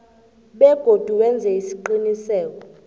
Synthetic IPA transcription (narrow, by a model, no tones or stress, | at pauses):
ɓɛɡ̥ʱod̥ʱuwɛnd͡zʱɛisi̥ǃinisɛːk̬ɔ